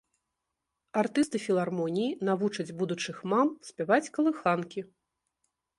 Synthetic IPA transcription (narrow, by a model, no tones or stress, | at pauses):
art̪ɨst̪ɨfʲilˠarmɔnʲijinavut͡ʂɐd͡zʲbud̪ut͡ʂɨxmamsʲpʲavat͡sʲkɐlˠɨxankʲi